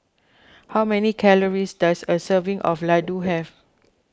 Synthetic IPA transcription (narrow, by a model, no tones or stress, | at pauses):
hawmɛnikʰɛləɹisdasəsəvĩŋʔɔ̰fladuɦɛv